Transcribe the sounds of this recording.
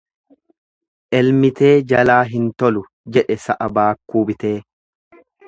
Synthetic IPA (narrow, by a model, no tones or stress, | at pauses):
ʔɛlmɪt̪e̞ːd͡ʒɐlaːɦɪnt̪ɔlʊ | d͡ʒɛᶑɛsɐʔɐbaːkːuːbɪt̪e̞ː